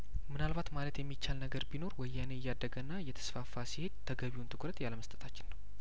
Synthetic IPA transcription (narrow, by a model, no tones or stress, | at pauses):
mɨnalbat̪malət̪jɛmːit͡ʃːalnəɡəɾbino̞ɾwəjːaneɪjːad̪ːəɡənːajɛt̪ʰə̥sfafasihed̪t̪ʰːəɡəβiwunt̪ʰɨkɾət̪jaləməst̪ʼə̥t̪ʰat͡ʃːɪnːəw